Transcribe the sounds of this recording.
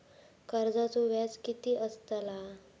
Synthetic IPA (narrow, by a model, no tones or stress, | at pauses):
kəɾd͡zat͡soʋjat͡skit̪iːʔəst̪əla